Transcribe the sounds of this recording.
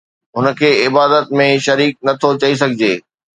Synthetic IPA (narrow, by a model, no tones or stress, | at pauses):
ɦʊnəkʰeːɪbaːd̪ət̪̚mẽʃɐɾiːk̚nɐt̪ʰot͡ɕɐis̬ɐɡʱɪd͡ʑeː